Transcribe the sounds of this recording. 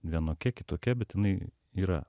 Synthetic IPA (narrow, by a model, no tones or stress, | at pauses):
ʋʲiɛnoːkʲɛkʲɪt̪oːkʲɛbʲɛt̪jɪnɐɪ | iːɾɐ̰